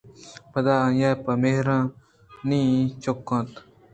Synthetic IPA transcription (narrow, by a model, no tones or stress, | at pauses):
pɐd̪aːjaːpɐmeɦɾãː | nĩːt͡ʃokːãːt̪